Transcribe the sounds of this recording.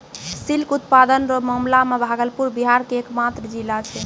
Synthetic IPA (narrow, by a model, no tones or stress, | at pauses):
silkut̪̚pad̪ənɾɔmɔmlamebʱaɡəlpuɾbiɦaɾkeːkmat̪ɾəd͡ʒilat͡ʃʰɛ